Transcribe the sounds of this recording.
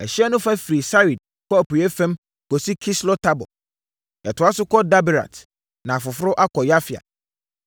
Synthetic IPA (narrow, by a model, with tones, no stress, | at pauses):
ɛ˨ɕi˦ɛ˦nʊ̃˦fa˦fɾi˨sa˦wi˨d̚ | kɔ˦æ˨pu˨ɛ˦fɛ̃˦m | ko˨si˦kʰi˦slɔ˦tʰa˦bɔ̰˨ | ɛ˨tʊ˨˦a˦sʊ˦kɔ˦da˦bi˨ɾa̰˨t | nã˨fʊ˨fɾʊ˦ʔa˦kʰɔ˨ja˦fi˨a̰˨